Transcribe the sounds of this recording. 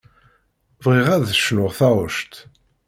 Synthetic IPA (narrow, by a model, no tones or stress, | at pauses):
vʁiʁæðʃnʊʁθɑʁˤəʃt̪